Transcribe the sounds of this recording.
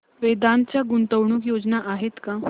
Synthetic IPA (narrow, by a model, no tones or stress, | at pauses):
ʋed̪ãnt͡ɕjaɡunt̪əʋɳuːkjod͡znaʔaɦet̪kã